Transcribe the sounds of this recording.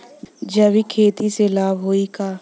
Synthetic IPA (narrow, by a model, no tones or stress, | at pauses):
d͡ʒəbikʰeːt̪iselaːbɦoːikaː